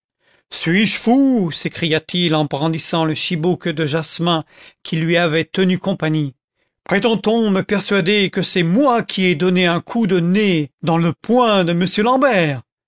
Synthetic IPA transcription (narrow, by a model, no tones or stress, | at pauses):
sɥiʒfusekχijat̪ilɑ̃bʁɑ̃d̪isɑ̃ləʃibukd̪əʒasmɛ̃kʲʰilɥiavɛt̪ənykɔ̃paɲi | pχet̪ɑ̃t̪ɔ̃məpɛʁsɥad̪ekəsɛmwakʲʰiɛd̪ɔneɛ̃kʰud̪əned̪ɑ̃ləpwɛ̃d̪əməsjølɑ̃bɛːʁ